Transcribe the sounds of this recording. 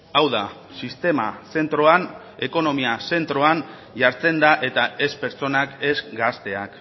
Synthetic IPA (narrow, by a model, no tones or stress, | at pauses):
awða | sist̪e̞mase̞nt̪ɾo̞an | e̞ko̞no̞miase̞nt̪ɾo̞an | ʝaɾt͡se̞nd̪aʔe̞t̪ae̞spe̞ɾt͡so̞nake̞zɡast̪e̞ak